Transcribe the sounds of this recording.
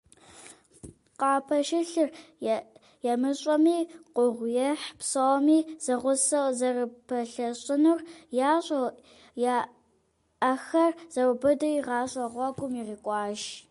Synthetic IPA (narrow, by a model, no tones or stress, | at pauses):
qɑːpʰɐʃɪɬɨr | jɛmɨɕʼɔmiːqʷʊʁʷjɛħpsɐwmiːz̥ɐʁʷʊsɐwzɐrɨpʰɐɬɐɕʼɪnurjaːɕʼɐw | ja | ɐxɐrz̥ɐwbɐdɐiʁɑːɕʼɐʁʷɔɡʷʼʊmiʁiːkʷʼɑːʃ